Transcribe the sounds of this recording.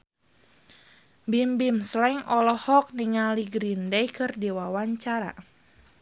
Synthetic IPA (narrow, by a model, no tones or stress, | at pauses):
bimbimslaiŋɔlɔhɔk̚niŋaliɡɾindɛjkɨrdiwawaɲt͡ʃaɾa̰